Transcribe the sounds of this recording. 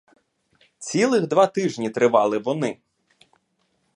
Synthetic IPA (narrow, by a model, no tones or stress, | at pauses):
t͡sʲilˠɪɣd̪ʋɑt̪ɪʒnʲit̪ɾɪʋɑlˠɪʋɔnɪ